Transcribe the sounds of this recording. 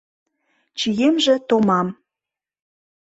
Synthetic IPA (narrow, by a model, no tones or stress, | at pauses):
t͡ɕijemʒĕt̪omɑm